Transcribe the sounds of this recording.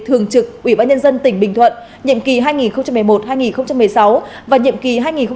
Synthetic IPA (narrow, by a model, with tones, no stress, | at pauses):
t̪ʰɨ˨˩əŋt͡ɕɨ˨˩k̚ʔwi˧˩ɓaː˧nɲə˧nzə˧nt̪ï˧˩ŋ̟ɓï˨˩ŋ̟t̪ʰwə̰˧˨n | ɲḭ˧˨əmki˨˩ɦaː˧jŋi˨˩nxə˧wŋ͡mt͡ɕa˧mːɨ˨˩jmo˨˩t̚haː˧jŋi˨˩nxə˧wŋ͡mt͡ɕa˧mɨ˨˩əjsa˨˦wvaː˨˩ɲḭ˧˨əmki˨˩ɦaː˧jŋi˨˩nxə˧